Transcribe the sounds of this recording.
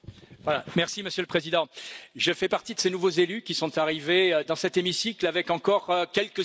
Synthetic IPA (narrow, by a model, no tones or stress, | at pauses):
vwalamɛʁsiməsjøləpχezid̪ɑ̃ʒəfɛpaʁt̪id̪əsenuvozelykʲisɔ̃t̪aʁiveød̪ɑ̃sɛt̪emisiklavɛkɑ̃kɔʁkʲɛlkə